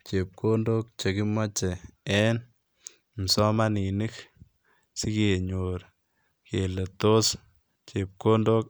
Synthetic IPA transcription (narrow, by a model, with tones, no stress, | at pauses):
t͡ʃe˨p̚kʰo˦ndo˦k̚t͡ʃe˨ki˦mɔ˦t͡ʃɛ˨ɛ˦n | m̩˨sɔ˦mani˨ni˦k | si˦ke˨ɲo˨ɾ | ke˨le˨to˦s | t͡ʃe˨p̚ko˦ndok